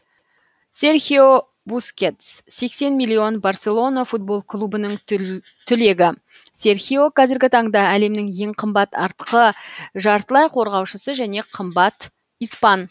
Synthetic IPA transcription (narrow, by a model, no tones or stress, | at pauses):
se̞ɾχʲio | buskʲe̞t̪sse̞kse̞nmilʲːˠio̞nbarse̞lˠo̞nafut̪̚bo̞lˠkʰlˠubənəɴ | t̪ʰʏle̞ɡʲɪ | se̞ɾχʲijo̞qʰɑzɪɾɡʲɪt̪ʰɑɴd̪ɑæle̞mnɪŋje̞ɴqʰəmbɑt̪ɑɾt̪əqəʒɑɾt̪əlˠɑjqʰo̞ɾʁɑwʃəsəʒæne̞qʰəmbɑt̪ | ijspɑn